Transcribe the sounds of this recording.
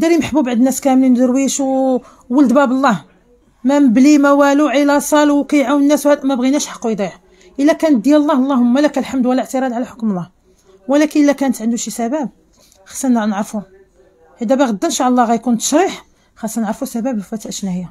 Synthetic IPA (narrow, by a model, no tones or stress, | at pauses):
d̪ɑɾjmħəbubaʕd̪ənːæskæmlind̪əɾwiʃw | wələd̪bæbəlˤːɑh | mæmblimæwæluʕilæsˤɑlwkæjʕawənːæswhæd̪mæbɣinæʃħɑ̥qːujd̪ˤiʕ | ʔəlːækænət̪̚d̪jællˤːɑhlˤːɑhʊmːælækælħamd̪wəlːæʕt̪əɾˤɑd̪ʕalæħokməlˤːɑh | wəlækənʔəlːækænət̪ʕənd̪uʃisæbæb̚ | xɑ̥sˤːɑnnʕɾfu | ħid̪æbæɣəd̪ːənʃaʕlˤːɑɣæjkunt̪ə̥ʃɾiħ | xɑsˤːɑnəʕɾfusæbæbfæt̪ʔəʃnæhəjːa